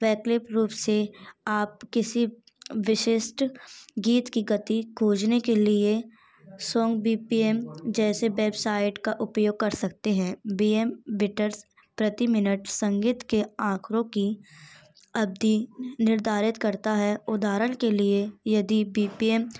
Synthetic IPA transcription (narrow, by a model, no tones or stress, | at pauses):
ʋɛːklɪpɾuːpseaːp̚kɪsi | ʋɪʃɪʃʈɡiːt̪kiɡɐt̪iɡʱoːd͡ʒnekelie | sɔ̃ːŋɡbiːpiemd͡ʒɛːseʋɛːbsaːɪɖkaʔʊpjoːɡ̚kɐɾsɐk̚t̪eɦɛ̃biːemʋɪʈəɾs | pɾɐt̪imɪnəʈsɐ̃ŋɡiːt̪keãːkʰɾõki | ɐb̚d̪inɪɾd̪ʱaːɾɪt̪kɐɾt̪aɦɛʊd̪aːɾənkeliejɐd̪ibiːpiem